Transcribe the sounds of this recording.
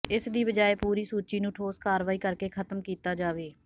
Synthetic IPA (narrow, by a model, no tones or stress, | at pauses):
ɪsd̪iːbəd͡ʒaːeːpuːɾiːsuːt͡ʃiːnũːʈʰoːskaːɾʋaːiːkəɾkeːkʰət̪əmkiːt̪aːd͡ʒaːʋeː